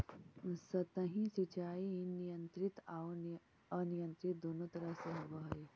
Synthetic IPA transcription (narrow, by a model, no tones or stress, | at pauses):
sɐt̪əɦĩsit͡ʃaːiinijə̃nt̪ɾɪt̪ː | ɐnijə̃nt̪ɾɪt̪̚d̪oːnõt̪ɐɾəseɦɐʋəɦɐe